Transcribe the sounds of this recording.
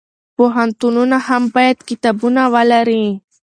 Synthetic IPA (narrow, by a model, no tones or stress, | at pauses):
poɦant̪ununahampajɛt̪kit̪abunawalaɾi